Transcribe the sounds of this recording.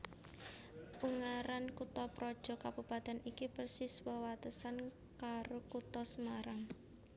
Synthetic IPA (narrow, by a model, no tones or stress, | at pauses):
ʔuŋaɾankut̪ɔpɾɔd̥ʒ̥ɔ̤kabupat̪ɛnikipərsiswəwat̪əsan | kaɾokut̪ɔsəmaɾaŋ